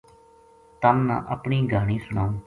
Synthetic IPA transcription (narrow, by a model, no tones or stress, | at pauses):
t̪əmnã̰ːʔəpɳiːɡaːɽ̃iːsʊɳaːũː